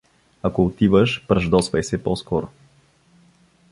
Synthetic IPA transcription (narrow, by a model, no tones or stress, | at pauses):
akoʊt̪ivəʃpɾɐʒd̪ɔsvɛjsɛpɔskɔɾʊ